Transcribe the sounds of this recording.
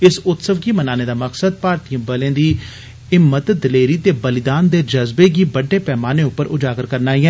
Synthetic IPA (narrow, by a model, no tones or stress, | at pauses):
ɪsʊt̪səʋɡiːmənaːneːd̪aːməksəd̪̚paːɾt̪ijə̃ːbəlẽːd̪iː | ɪmːət̪d̪ɪleːɾiːt̪eːbəlɪd̪aːnd̪eːd͡ʒəzbeːɡiːbəɖːeːpɛːmaːneːʊpːəɾʔʊd͡ʒaːɡəɾkəɾnaːiːɛ̃ː